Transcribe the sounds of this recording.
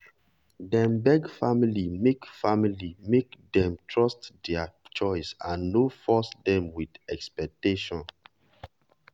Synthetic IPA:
dɛ̃mbɛɡfamilimekfamilimekdɛ̃mtʰɹɔstdɛat͡ʃɔɪsãnːofɔsdɛ̃mwidɛkspɛk̚teʃɔ̃n

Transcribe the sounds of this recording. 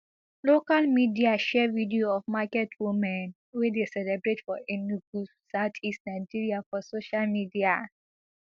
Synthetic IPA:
lokalmidiaʃɛvidioɔfmakɛtʰwumɛ̃n | wedesɛlɛbɹetfɔenuɡupsaʊtʰistnaɪd͡ʒiɹiafɔsoʃalmidia

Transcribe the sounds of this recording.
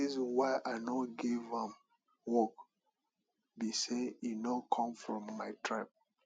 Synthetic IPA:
izwaɪʔanɔɡivɛ̃m | wɔk | biseinɔkʰɔ̃mfɹɔ̃mːaɪtʰɹap̚

